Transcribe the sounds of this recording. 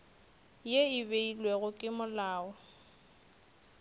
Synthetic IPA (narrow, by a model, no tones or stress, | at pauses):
jeibeilwɛɣʊkʼɪmʊlaːɔ